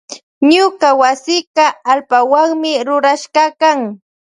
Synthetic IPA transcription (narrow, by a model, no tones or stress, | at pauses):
ɲʊkawasɪkɑalpawaŋmɪɾʊɾaʃɢɑkaŋ